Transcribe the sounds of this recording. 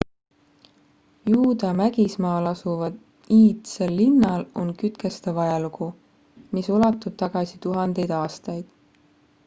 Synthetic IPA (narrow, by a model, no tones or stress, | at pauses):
juːd̪ɑmæɡ̥ismɑːlɑsuvɑd̪̥ | iːt̪selːinːɑlo̞nkyt̪kest̪evɑjɑluku | misolɑt̪ːˑub̥̚t̪ɑɡ̥ɑsit̪uɦɑnd̪e̞jd̪̥ɑːst̪ɑjd̪̥